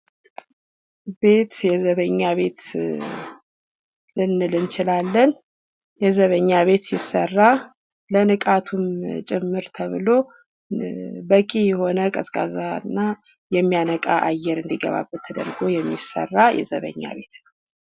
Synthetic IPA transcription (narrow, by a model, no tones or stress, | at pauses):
be̞t̪jɛzəβəɲːaβe̞t̪ | lɨnɨlɨnt͡ʃʰɪlalːən | jɛzəβəɲːaβe̞t̪jɪsːə̰rːa | lənɨkʼat̪ʰumt͡ʃʼɪmːɨɾt̪ʰəβɨlo̞ | bəkʼijɛho̞nəkʼəskʼa̰zanːa | jɛmːijanəkʼaʔajːɛɾɨnd̪iɡə̰βa̰bːət̪ʰːəd̪ə̰ɾɡo̞jɛmːisə̰rːajɛ̰zə̰βə̰ɲːa̰βe̞t̪nwwə